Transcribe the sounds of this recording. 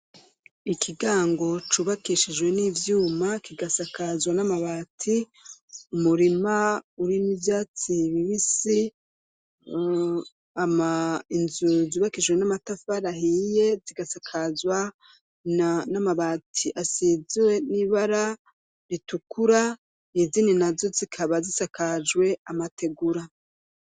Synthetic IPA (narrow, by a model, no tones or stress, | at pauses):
ikʰiɡaːŋɡo̞t͡ʃuβakiʃid͡ʒɡwe̞niːvjuːmakiɡasakazwanamaβaːtʰi | umuɾimauɾinivjaːt͡siβiβisi | amainzuziβakid͡ʒwenamatafaɾahije̞ziɡasakʰazwa | nanamaβaːtʰiʔasizwe̞niβaɾa | ɾitukuɾa | nizininazo̞zikʰaβazisakʰad͡ʒwe̞amatʰe̞ɡuɾa